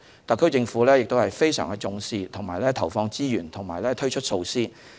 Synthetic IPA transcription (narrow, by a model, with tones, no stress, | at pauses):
t̪ɐ˨˩kʰɵ˥t͡sɪ˧ŋfuː˨˥lɛː˥jɪ˨k̚t̪o˥whɐ˨jfe˥jsœ̰ː˨˩ŋɡɛ˧t͡sʊ˧ŋsiː˧t̪ʰʊ˨˩ŋmaː˨˩jlɛː˥t̪ʰɐ˨˩wfɔː˧ŋt͡siː˥jyː˨˩nt̪ʰʊ˨˩ŋmaː˨˩jlɛː˥t̪ʰɵ˥ɥt͡ʃʰɵ˥t̚so˧wsiː˥